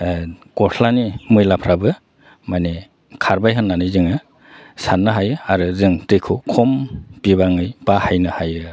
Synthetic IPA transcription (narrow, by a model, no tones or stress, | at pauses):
kɔsʰlanimɯjlapʰɾabɯ | mane | kʰaɾbajɦɯnːanɯjzɯŋɯ | sanːɯɦajɯaɾɯzɯŋtɯjkʰukʰɔmbiβaŋɯjb̥ahajnɯhajɯ